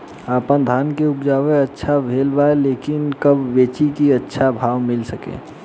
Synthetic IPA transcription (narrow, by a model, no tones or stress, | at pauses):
aːpənd̪ʱaːnkeʊpd͡ʒaːweətːʃʰabʱeːlbaeleːkɪnkəbːeːt͡ʃikiətːʃʰabʱaːwmɪlsəkḛː